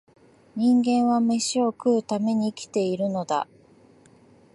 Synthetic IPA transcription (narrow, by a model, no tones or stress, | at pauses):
ɲ̟ĩŋɡẽ̞ɰ̃βame̞ɕio̞kɯ̟ːt̪ame̞ɲ̟iːkʲi̥t̪e̞iɾɯ̟no̞d̪a̰